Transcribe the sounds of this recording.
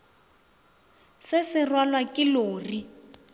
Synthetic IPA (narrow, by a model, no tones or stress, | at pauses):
sɪsɪrwalwakʼɪloːri